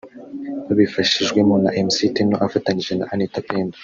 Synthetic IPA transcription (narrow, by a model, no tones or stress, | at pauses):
βaβifaʃiʒɡwemona̰ʔemsitinoʔafataɲiʒena̰ʔanitapendo̥